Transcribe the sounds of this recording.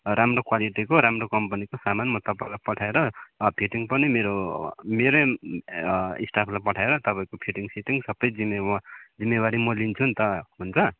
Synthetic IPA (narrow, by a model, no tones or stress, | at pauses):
ɾamrokwaliʈikoɾamrokʌmpʌnikosamanmʌt̪ʌpaĩlajpʌʈʰaeɾʌpʰiʈiŋpʌnimeɾomeɾo | isʈapʰlajpʌʈʰaeɾʌt̪ʌpaĩkopʰiʈiŋsiʈiŋsʌbʌjd͡zimed͡zimːebaɾimʌlint͡sʰunt̪ʌɦunt͡sʰʌ